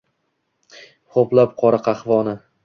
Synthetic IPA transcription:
χoplap̚qʰɒɾɨqʰɑχvɒnɪ

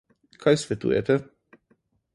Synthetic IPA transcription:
kʰajsvʲɛt̪ṵjɛ̰t̪ɛ

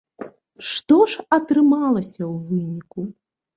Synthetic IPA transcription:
ʂt̪ɔʂɐt̪ɾɨmalˠɐsʲɐwvɨnʲiku

